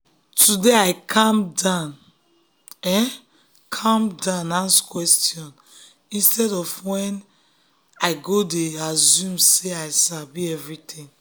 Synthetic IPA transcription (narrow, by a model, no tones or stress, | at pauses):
tudeaɪkʰãmdãn | ɛ̃ | kʰãmdãnãnskwɛstjɔ̃n | ĩnstɛdɔfwɛ̃n | aɪɡodeazjũmseaɪsabiɛvɹitʰĩŋ